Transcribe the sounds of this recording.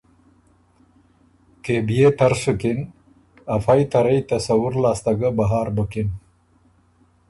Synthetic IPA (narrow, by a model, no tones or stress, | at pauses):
kebijet̪ɐɾsukin | ɐfajt̪ɐɾɐjt̪ɐsɐwuɾlaːst̪ɐɡabaɦɑːɾbəkin